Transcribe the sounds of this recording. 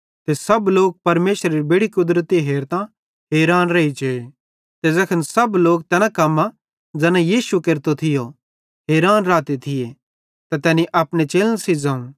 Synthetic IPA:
t̪esɐbloːk̚pɐɾmeːʃɾeɾibeːɽikʊd̪ɾət̪iɦeːɾt̪ã | ɦeːɾaːnɾɐit͡ʃee | t̪ezɐkʰənsɐbloːk̚t̪ɛːnãkɐmːa | d͡zɛːnãjiːsukeːɾt̪ot̪ʰɪjo | ɦeːɾaːnɾaːt̪et̪ʰɪje | t̪at̪ɛːnĩʔɐːpñet͡ʃeːlə̃sid͡zaːũ

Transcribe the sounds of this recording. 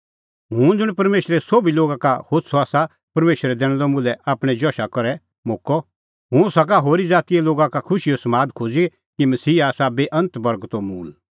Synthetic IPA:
ɦʊ̃ːd͡zʊɽ̃pɐɾmeːʃɾɛsobiloːɡakahoːt̪sʰɔaːsa | pɐɾmeːʃɾɛd̪ɛːɽ̃lɔmulɛʔaːpɽ̃ɛd͡ʒɔːʃakɔɾɛ | moːkɔ | ɦʊ̃sak̬aɦoːɾid͡zaːt̪ijeloːɡakakʰʊʃiosɐmaːd̪kʰoːd͡zi | kimɐsiːaːsabeːʔɐ̃nt̪bɐɾɡt̪omuːl

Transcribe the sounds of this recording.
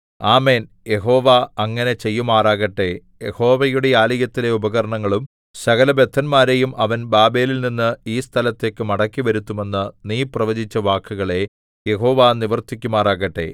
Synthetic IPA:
aːme̞ːn | je̞ɦo̞ːʋaɐŋːɐne̞t͡ɕe̞jːumaːraːɣɐʈːe̞ | jeho̞ːʋɐjuɽe̞aːliɣɐt̪ːile̞ubɐɣɐɾɐɳɐŋːɐɭum | sɐɣɐlɐbet̪ʰːɐnmaːɾe̞jumʔɐʋɐnbaːbeːlilninːɨiːst̪ʰɐlɐt̪ːe̞ːkːɨmɐɽɐkːiʋɐɾut̪ːume̞nːɨniːprɐʋɐd͡ʑit͡ɕːɐʋaːkʰːuɣɐɭe̞ | je̞ɦo̞ːʋaniʋɐrt̪ikʲːumaːraːɣɐʈːe̞̰

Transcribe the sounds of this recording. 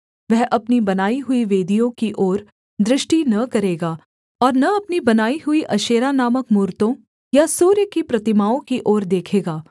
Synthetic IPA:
ʋɛɦʔɐpnibɐnaːiɦʊiʋeːd̪ʱijõkiʔɔːɾ | d̪ɾɪʃʈinɐkɐɾeːɡaː | ɔːɾnɐɐpnibɐnaːiɦʊiʔɐʃeːɾanaːməkmuːɾt̪õ | jasuːɾjəkipɾɐt̪ɪmaːõkiʔoːɾd̪eːkʰeːɡaː

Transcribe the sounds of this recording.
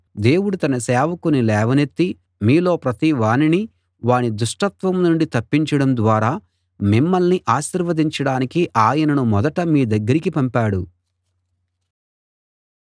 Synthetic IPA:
d̪e̞ːwuɽut̪ɐnɐsɛːʋɐkunilɛːʋɐnet̪ːi | miːlo̞ːpɾɐt̪iʋaːnini | ʋaːɳid̪uʂʈɐt̪ʋɐmnuɳɖit̪ɐpːiɲt͡ʃɐɽɐmd̪ʋaːɾaː | mimːɐlniʔaːʃiːɾʋɐd̪iɲt͡ʃɐɽaːnikiʔaːjɐnɐnumɔd̪ɐʈɐmiːd̪ɐɡːɐɾikipɐmpaːɽu

